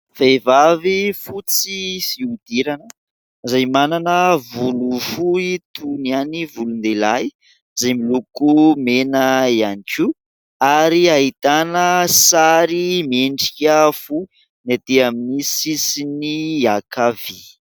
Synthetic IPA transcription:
fejvavifut͡sifiud̪̥iɾanə | zajmananəvulufuit̪ʰunianivulund̪elaj | zajmilukumenəianiku | aɾiaɦit̪anəsaɾimeɳɖ͡ʐi̥kʲəfu | nat̪eaminisisiniakavi

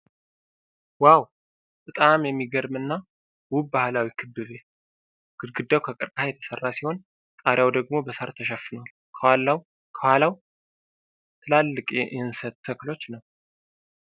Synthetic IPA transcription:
waw | t̪ʼɨt̪ʼamjɛmːiɡəɾmɨnːa | wubbahlawikʰɨbːɨβe̞t̪̚ | ɡ̥ɨdɡɨd̪ːawkʰəkʼɨɾkʼhajɛt̪ʰə̥sərːasiho̞n | t̪ʼaɾjawd̪əɡmo̞bəsəɾt̪ʰəʃɛfɨnəwal | kʰəwalːaw | kʰəwalaw | t̪ʰɨlalːɨkʼjɛʔɨhɨnsət̪ːʰəklo̞t͡ʃːnəw

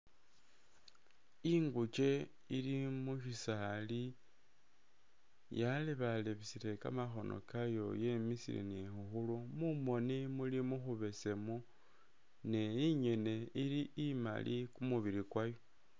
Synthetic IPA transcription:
iŋɡut͡ʃe̞ | ilimuʃisali | jaliβaleβisile̞ka̰maxo̞nʔo̞̰kajo̞je̞misḭlḭnexuxulumumo̞nimulimuxuβe̞se̞mu | ne̞iɲe̞ne̞iliima̰lʔikumuβiɾikwajo

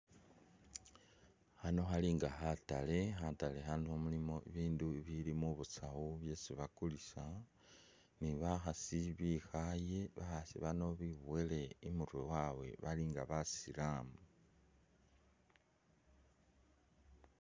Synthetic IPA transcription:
hano̞ɦaliŋɡahatale̞xatale̞hanuhomulimo̞iβiːnduβilimuβut͡sahuβje̞siβakulisa | niβaxasiβixaje̞βaxasḭβano̞βiβuwele̞imuɾwewawe̞̰βaliŋɡaβasilamu

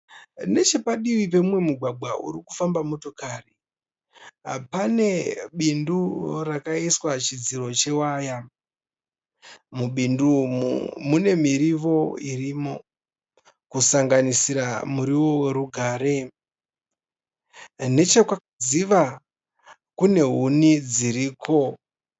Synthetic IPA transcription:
ne̞t͡ʃe̞paɗiwip̬e̞mwe̞muɡʱwaɡʱwaʔṵɾiku̥fambamo̞to̞kari | pane̞ɓindurakaiswat͡ʃid͡ziɾo̞t͡ʃe̞waːja | muɓindu | mune̞miɾiʋo̞iriːmo̞ | kusaŋɡanisiɾamuɾiwo̞we̞ɾuɡʱaːɾe̞ | ne̞t͡ʃekwa | ziʋa | kune̞ɦunid͡ziɾiːkʰo̞

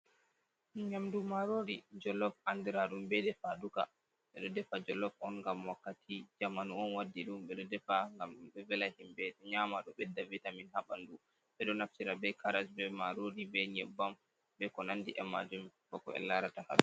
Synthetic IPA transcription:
ɲamdumaɾoɾid͡ʒɔlɔfandiɾaɾumbɛdɛfaduka̰ | ɓɛɗɔdɛfad͡ʒɔlɔfɔnŋɡamwakːatʰid͡ʒamanuɔnwadːiɗumɓɛɗɔdɛfaŋɡambɛvɛlahimbɛdɛɲaːmaɗɔɓɛdːavitaminhaɓandu | ɓɛɗɔnaftiɾabɛjkʰaɾasbɛmaɾoɾibɛɲɛbːam | bɛkɔnandiʔɛma̰d͡ʒumkɔkɔ̰ɛ̰lːaɾataha̰ɗɛ

